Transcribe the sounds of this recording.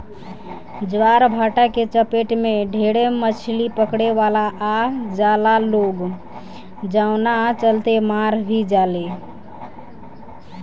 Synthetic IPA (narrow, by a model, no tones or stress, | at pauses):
d͡ʒʋaɾbʱaʈaket͡ʃəpeʈmeɖʱeɽemət͡ʃʰlipəkɽeʋalaʔad͡ʒalaloɡ | d͡ʒaʊnat͡ʃəlt̪emaɾbʱid͡ʒale